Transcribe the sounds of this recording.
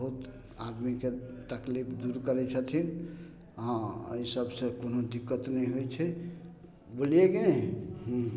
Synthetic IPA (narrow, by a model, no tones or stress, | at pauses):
bəɦut̪ | ad̪miket̪əklipʰd̪uɾkəɾɛt͡ʃʰət̪ʰin | ɦãə̰isəbsə̃konod̪ikːət̪nɛiɦojt͡ʃʰɛ | bolijekenɛɦũ